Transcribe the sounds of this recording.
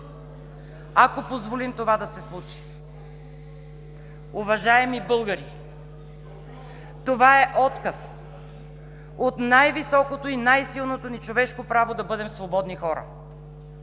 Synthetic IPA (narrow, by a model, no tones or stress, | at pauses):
akopozvolimt̪ovad̪ɐsɛslˠut͡ʃi̥ | ʊvɐʒaɛmibɤlˠɡəɾi | t̪ovaɛʔɔt̪kəs | ot̪najvisɔkot̪oinajsilˠnot̪onit͡ʃovɛʃkopɾavod̪ɐbɤd̪ɛmsvobɔd̪nixɔɾə̰